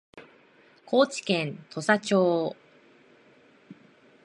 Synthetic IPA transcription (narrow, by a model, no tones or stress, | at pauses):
kʰo̞ːt͡ɕi̥kẽnt̪ʰo̞sat͡ɕoː